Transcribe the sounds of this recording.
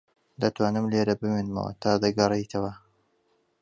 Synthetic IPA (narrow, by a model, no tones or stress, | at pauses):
d̪ɐt̪waːnɨmleːɾɐbɨmenmɐ̰wɐ̰t̪ʰaːd̪ɐɡɐrˤejt̪ʰɐwɐ